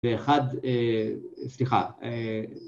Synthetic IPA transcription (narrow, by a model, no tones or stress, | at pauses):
eːχad̪e | sliχa̰e